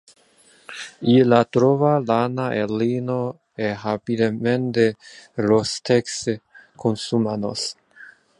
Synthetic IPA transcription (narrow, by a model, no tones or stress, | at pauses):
ilat̪ɾovalanaʔelino | ehapid̪ement̪elost̪ekskʰonsumano̰s